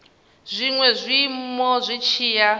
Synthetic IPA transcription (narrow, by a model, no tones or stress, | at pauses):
zʷiŋwɛzʷimmɔzʷit͡ʃʰiːja